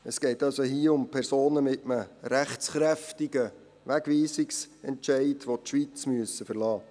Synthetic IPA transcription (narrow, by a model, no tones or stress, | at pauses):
əsɡ̥ɛɪtɑlsoɦiəʊmpʰæɾsoːnəmɪtəməɾæχt͡sχɾæftɪɡə | ʋæɡʋiːsɪksɛntʃɛɪdʋotʃʋit͡smyəsəfəɾlɑː